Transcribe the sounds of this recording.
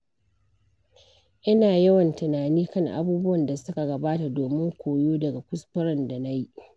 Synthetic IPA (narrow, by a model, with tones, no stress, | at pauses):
ʔɪ˦naː˨jɐ˦wɐ˨ntɪ˨naː˨niː˦kɐ˦˨ŋʔa̰˦buː˦bʊ˦wɐ˨nda˨sʊ˦ka˨ɡɐ˨baː˦ta˨doː˨mɪ˦ŋkʷoː˨joː˦dɐ˨ɡa˨kʷʊ˦spɪ˦ɾɐ˦˨nda˨na˦ji˦ʔ